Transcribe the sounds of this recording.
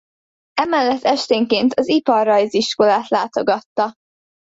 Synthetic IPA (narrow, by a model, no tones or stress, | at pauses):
ɛmɛlːɛt̪ːɛʃt̪eːŋkeːnt̪ɒzipɒrːɒjziʃko̞laːt̪laːt̪o̞ɡɒt̪ːɒ